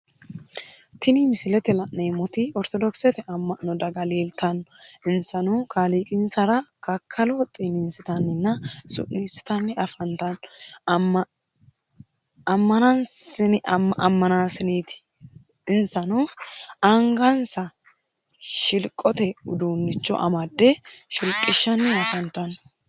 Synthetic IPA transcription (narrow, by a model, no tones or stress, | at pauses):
t̪ɪnimɪsɪlɛt̪ɛlɐʔnemɔt̪ɪɔɾt̪ɔd̪ɔksɛt̪ɛʔɐmːɐʔnɔd̪ɐɡɐleːlt̪ɐnːɔɪnsɐnuːkʰaliːkʼɪnsɐɾɐkɐkʰːɐlɔt̪ʼɪninsɪt̪ɐnːɪnːɐsʊ̰ʔnisɪ̥t̪ɐnːɛɐfɐnt̪ɐn | ɐmːɐnɐnsɪnʔɐ̰mːɐnaːsɪniːt̪ɪ̥ | ɪnsɐnuɐŋɡɐnsɐ | ʃɪlkʼːɔt̪ɛʊd̪uːnːɪt͡ʃːɔ̰ʔɐ̰mɐd̪ːɛʃɪlkʼːɪʃːɐnːɛɐfɐnt̪ɐn